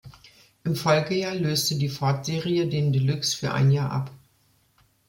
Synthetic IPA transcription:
ʔɪmfɔlɡəjaːɐløːstədiːfɔɐtz̥eːʁijədeːndəlʏksfyːɐʔa̰ɪnjaːɐʔa̰p

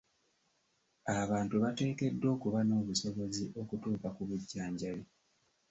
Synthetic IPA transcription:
aβaːntuβate̞ːke̞dːo̞ːkuβano̞ːβuso̞βo̞ziʔo̞kutuːkakuβuɟːaːɲɟali

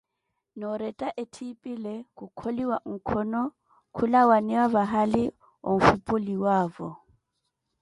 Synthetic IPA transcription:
nɔɾɛtʼaʔetʰipʼilekʼukʰoliwaŋ̩kʰɔnɔ | kʰulawanɛwaβaɦali | o̰ɱ̩fupʼʊliwaːvɔ

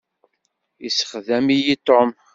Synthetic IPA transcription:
isə̥χðæmijit̪ˤːom

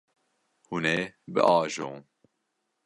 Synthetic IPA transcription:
huneːbɨ̰ʔɑːʒo̰ːn

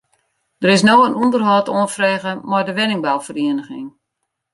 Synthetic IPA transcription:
d̥əɾɪs̬noːənundərɦɔːtoənfreːɣəmɔrdəʋɪnɪŋbalˠfəriənəxɪŋ

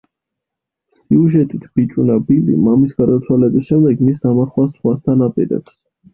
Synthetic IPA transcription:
siuʒɛt̪ʼit̪ʰb̥it͡ʃʼunabilḭmamisɡ̥ad̪at̪sʰwalɛbisʃɛmd̪ɛɡmisd̪amaχwasχwast̪ʰanapʼḭɾɛ̰ps

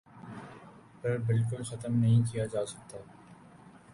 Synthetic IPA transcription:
pɐɾbɪlk̬ʊlxɐt̪əmnɐɦĩkijad͡ʒaːsɐk̚t̪a

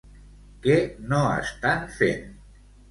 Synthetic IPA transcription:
kenoə̰st̪anfḛn

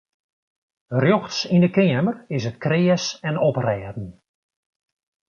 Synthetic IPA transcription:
rjɔxtsindəkɪəmərɪs̬ət̚krɪəsɛnɔprɛːdn̩

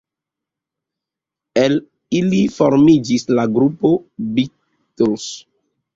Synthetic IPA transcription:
el | ilifoɾmid͡ʒislaɡɾupobi | tuls

